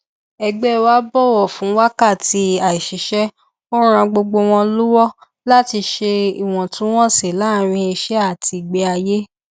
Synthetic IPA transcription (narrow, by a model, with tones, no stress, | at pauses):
ɛ˧ɡ͡bɛ˦˨wa˦bɔ˦˨wɔ˦˨fũ˨˦wa˦ka˦˨ti˧a˨i˨ʃi˨ʃɛ˦ | o˦ɾ̃ã˧ɡ͡bo˧ɡ͡bo˧w̃ɔ̃˧lu˦wɔ˦ | la˦ti˧ʃe˧i˨w̃ɔ̃˨tũ˨˦w̃ɔ̃˦se˨la˨˦ɾ̃ĩ˧i˧ʃɛ˦a˦˨ti˧˨ɡ͡be˧a˧je˦